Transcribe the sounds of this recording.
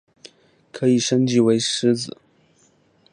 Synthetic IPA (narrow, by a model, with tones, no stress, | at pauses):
kʰɤ˧˥i˨˩ʂə˥ŋt͡ɕi˧˥we˧˥ɪʂɻ̩˧˥d͡zɹ̩˨˩˦